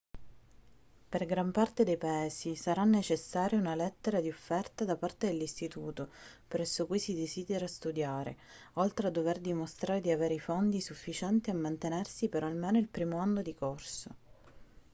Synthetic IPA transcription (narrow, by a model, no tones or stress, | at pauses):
perɡɾampart̪ed̪ejpaɛːsisaɾanːet͡ʃesːaːɾjaunalɛt̪ːeɾad̪iofːɛrt̪ad̪apart̪ed̪elːist̪it̪uːt̪opɾɛsːokujsid̪eziːd̪eɾast̪ud̪jaːɾḛ | ɔlt̪ɾead̪ːoverd̪imost̪ɾaːɾed̪iaveːɾeifond̪isufːit͡ʃɛnt̪iamːant̪enersipeɾɔalmɛːnoilpɾiːmoanːod̪ikorso